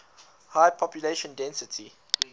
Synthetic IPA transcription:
haɪpʰɔpjuleʃə̃ndɛ̃nsɪtʰi

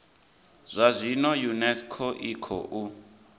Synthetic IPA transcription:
z̥ʷazʷinɔjunɛskʰɔʔikʰɔ̰ʔu

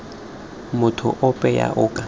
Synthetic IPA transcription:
mʊtʰʊ̰ʔʊpʼɛja̰ʔʊːkʼa

